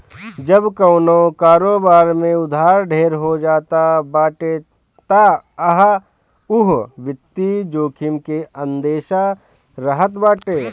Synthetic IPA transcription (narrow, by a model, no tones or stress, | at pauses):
d͡ʒəbkəʊnokaːɾoːbaːɾmẽʊd̪ʱaːɾɖʱeːɾɦod͡ʒaːt̪abaːʈe | t̪aɐɦ | ʊɦʋɪt̪ːid͡ʒoːkʰɪmkeə̃nd̪eːʃa | ɾəɦət̪baːʈeː